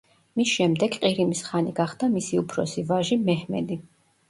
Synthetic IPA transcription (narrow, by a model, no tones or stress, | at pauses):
misʃɛmd̪ɛɡqʼiɾimisχaniɡaχd̪amisiupʰɾɔsivaʒimɛhmɛ̰d̪i